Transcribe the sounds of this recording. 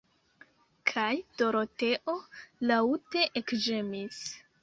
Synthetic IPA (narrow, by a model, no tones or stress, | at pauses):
kʰajd̥o̞ɾote̞ʔo̞laute̞ʔekd͡ʒemis